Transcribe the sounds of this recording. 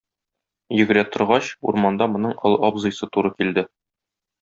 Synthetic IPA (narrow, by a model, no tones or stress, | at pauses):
jɘ̆ɡɘ̆ɾæt̪ŏɾʁɑɕṵɾmɑnd̪ɑmŏnɤɴɤ̆lˠɒbzɤ̆jsɤt̪uɾɤkild̪ɘ